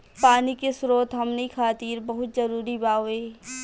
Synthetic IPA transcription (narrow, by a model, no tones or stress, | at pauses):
paːnikesɾoːt̪ɦɐmneikʰaːt̪iːɾbɐɦʊt̪̚zɐɾuːɾibaːʊeː